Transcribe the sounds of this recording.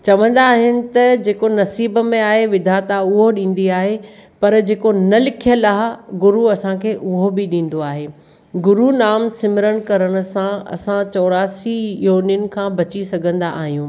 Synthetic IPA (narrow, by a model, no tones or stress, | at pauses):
t͡ɕɐʋə̃nd̪aːɦɪnɪ̆t̪ɐd͡ʑeːkonɐsiːbmẽaːɦeʋɪd̪ʱat̪aʊɦoɗĩːn̆d̪iaːɦepɐɾd͡ʑeːkonɐlɪkʰijəlaːɦɡʊɾuɐsãkʰeːʔʊɦobɪɗĩːn̆d̪oaːɦeː | ɡʊɾunaːmsɪmɪɾəɽ̃kɐɾəɽ̃ʊ̆sãɐ̰sãt͡ɕɔːɾaːsijoːnjʊnɪ̆kʰãːbɐt͡ɕisɐɡʱə̃nd̪aʔa̰ːɦijũː